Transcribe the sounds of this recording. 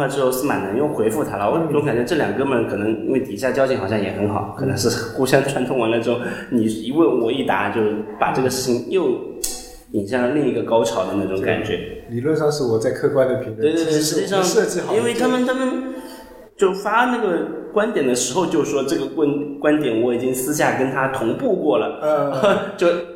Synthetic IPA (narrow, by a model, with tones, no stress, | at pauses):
wa˥˧˩ʈ͡ʂɻ̩˥xo˥˧ʊʂ̩˥˩ma̰˨˩nə˧˥ŋjo˥˩ʊxwe˧˥ɪfu˥˩t̪ʰa˥lə˨wɔ˨˩˥na˥˩ʈ͡ʂʊ˧˥ŋka˨˩nt͡ɕɥɛ˧˥ʈ͡ʂɤ˥˩ljɑ˨˩ŋkɤ˥mə˧˥nkʰɤ˨˩nɤ˧˥ŋḭ˥nwe˥˩ɪt̪i˨˩ɕja˥˩t͡ɕjɑ˥ʊt͡ɕʰi˧˥ŋxɑ˨˩ɕjɑ˥˩ŋjɛ˨˩xə˧˥nxɑ˨˩˦kʰɤ˨˩nɤ˧˥ŋʂɻ̩˥˩ku˥ɕjɑ˥t̪ʰwa˧˥nt̪ʰʊ˧ŋwa˧˥lə˧ʈ͡ʂɻo˥˩ʊni˨˩˧i˧˥wə˥˩nwɔ˨˩˦i˥˩t̪a̰˧˥t͡ɕjo˥˧ʊpa̰˨˩ʈ͡ʂɤ˥˩ɡə˩ʂɻ̩˥˩t͡ɕʰi˧˥ŋjo˥˩ʊ | i˨˩ŋɕjɑ˥˩ŋlə˩li˥˧ŋi˧˥ɡə˧kɑ˥ʊʈ͡ʂʰɑ˧˥ʊd̪ə˧na˥˩ʈ͡ʂʊ˨˧˥ŋka̰˨˩nt͡ɕɥɛ̰˧˥li˨˩lwə˥˧nʂɑ˥˧ŋʂɻ̩˥˩wɔ˨˩t͡sa˥˧ɪkʰɤ˥˧kwa˥ɪd̪ə˨pʰi˧˥ŋwe˥˧ɪt̪t̪we˥˧ɪʂɻ̩˧t͡ɕi˥˧˩ʂɑ˥˧ŋʂɤ˥˧t͡ɕi˥˧xɑ˨i˥nwe˥˩ɪt̪ʰa˥mə˨nt̪ʰa˥mə˨n | t͡ɕjo˥˩ʊfa˥na˥˩ɡə˩kwa˥nt̪jɛ˨˩nd̪ə˦ʂɻ̩˧˥xo˧ʊt͡ɕjo˥˧ʊʂwɔ˥ʈ͡ʂɤ˥˩ɡə˩kwə˥nkwa˥nt̪jɛ˨˥nwɔ˧˥i˨˩t͡ɕi˥ŋsɹ̩˥ɕ̬ja˥˩kə˥nt̪ʰa˥t̪ʰʊ˧˥ŋpu˥˧kwɔ˥˩lə˩˧ | t͡ɕjo˥˧ʊ